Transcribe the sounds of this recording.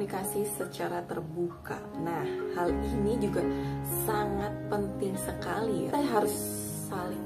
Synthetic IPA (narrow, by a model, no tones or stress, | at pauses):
nikasisət͡ʃaɾat̪ərbuka̰ | nahhalinid͡ʒuɡasaŋat̪̚pənt̪ɪŋsəkaliaɦaɾʊsː | alɪ